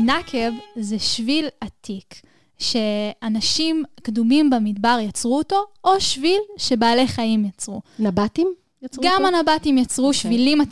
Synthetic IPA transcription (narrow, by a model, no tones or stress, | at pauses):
nakʰe̞vzeʃvilatʰik | ʃe̞anaʃimkdumimbamidbaʁjat͡sʁuːto̞oʃvilʃe̞baːle̞jχaimjat͡sʁunabatim | jɡamanabatimjat͡sʁuʃvilima